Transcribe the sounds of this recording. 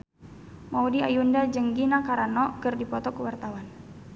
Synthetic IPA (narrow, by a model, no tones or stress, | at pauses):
maudia̰jundad͡ʒəŋɡinakaɾanɔkərdipɔt̪ɔkəwart̪awan